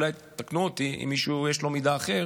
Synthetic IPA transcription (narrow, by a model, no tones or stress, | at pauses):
laj | t̪aknuot̪iʔḭmːiʃujeʃlo̞mid̪aːχe̞ʁ